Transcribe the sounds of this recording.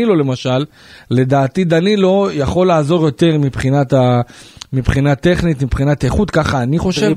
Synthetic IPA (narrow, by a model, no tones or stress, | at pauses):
ilo̞le̞maʃalː | e̞d̪aːt̪id̪anilo̞jaχo̞lːaːzo̞ʁjo̞t̪e̞ʁmipχinat̪amipχinat̪e̞χnit̪mipχinat̪aeχut̪kaχaːniχo̞ʃev